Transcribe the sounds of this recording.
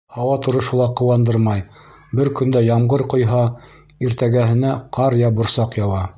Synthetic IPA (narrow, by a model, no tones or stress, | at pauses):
hɑwɑt̪ŏɾŏʃŏlˠɑqɤ̆wɑnd̪ɤɾmɑj | bɘɾkɵ̆nd̪æjɑmʁɤɾqŏjɦɑ | iɾt̪æɡæhɘ̆næqʰɑɾjɑbŏɾsɑqjɑwɑ